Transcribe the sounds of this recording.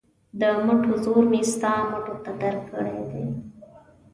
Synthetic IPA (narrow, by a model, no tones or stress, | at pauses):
d̪əmaʈozoɾmest̪amaʈot̪ad̪aɾkːəɽed̪e